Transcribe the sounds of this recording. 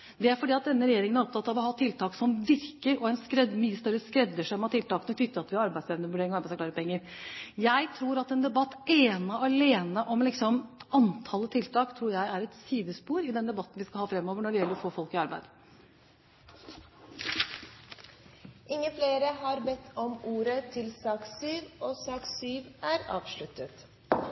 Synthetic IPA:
d̪ɛæɾfɔɖiːɑt̪̚d̪ɛnːəɾɛjeːɾɪŋənæɾɔpt̪ʰɑt̪ːɑʋɔhɑːt̪ʰɪlt̪ʰɑːksɔmʋɪɾkəɾɔɛnskɾɛd̪myːəst̪œɾəskɾɛd̪ːəʂɛmhɑtʈ̪ʰɪlt̪ɑːknɔt̪ʏt̪ːəɑt̪ʋɪɑɾɑɾbæɪsɛʋnəʋʉɖeːɾɪŋɑɾbæɪsfklɑːɾəpɔɛŋːəɾjæɪt̪ʰɾuːɾɑt̪ɛnd̪ɛbɑt̪ːeːnəɑleːnəʔɔmlɪksɔmɑnt̪ʰɑːlːət̪ʰɪlt̪ʰɑːkt̪ʰɾuːɾjæɪæɾɛt̪siːd̪əspuːɾɪd̪ɛnd̪ɛbɑt̪ːn̩ʋɪskɑlhɑːfɾɛmːoːʋəɳɔɖɛjɛlːəɾɔfoːfɔlkɪɑɾbæɪd̪ | ʔɪŋːəfleːɾəhɑɾbɛt̪ʰːɔmuːɾət̪ʰɪlsɑːksyːʋoːsɑːksyːʋæːɾɑ̰ːʋʂɭʉt̪ət̪

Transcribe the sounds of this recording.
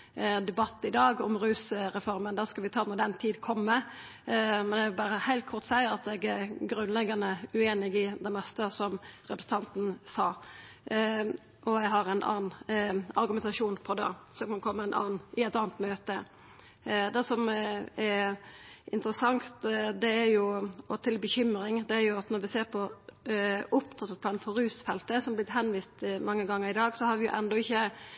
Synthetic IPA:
d̪ɛbɑt̪ːɪd̪ɑːɡɔmɾʉːsɾɛfɔɾmənd̪æʁskɑlʋɪt̪ʰɑːnuːd̪ɛnt̪ʰiːd̪kʰɔmːə | mɛnɛʋɪlbɑɾəhæɪlt̪kʰʊɾt̪sæɪəɾɑt̪ɛɡæɾɡɾʉnlɛɡːɑnəʉeːnɪɡɪd̪ɛmɛst̪əsɔmɾɛpɾəsəɑnt̪n̩sɑː | ɔæɦɑɾæɪnʔɑ̰ːnn̩ɑɾɡʉmɛnt̪ɑʂuːnpʰɔd̪ɑ̰sɔkɑnkʰɔmːəæɪnɑ̰ːnɪɛɪt̪ɑːnət̪møːt̪ə | d̪ɛsɔmɛ | ɪ̰nt̪əɾəsɑŋt̪d̪ɛæɾjʊɔt̪ʰɪlbəçʏmɾɪŋd̪ɛæɾjʊɑt̪nɔɾʋɪseːɾpʰɔ | ʔʊp̚t̪ʰɑt̪ːət̪̚ʰlɑːnfɔɾʉːsfɛlt̪əsɔmæblɪt̪hɛnʋiːst̪mɑŋːəɡɑŋːəɾɪd̪ɑːɡsɔhɑɾʋɪjʊ̰ʔɛnd̪ɔɪçːə

